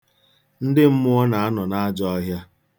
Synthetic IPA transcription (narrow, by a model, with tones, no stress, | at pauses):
n̩˦dɪ˦m̩˦mʊ˦ɔ˦na˨a˦nɔ˨na˦a˦d͡ʒɔ˦ɔ˦ɦja˦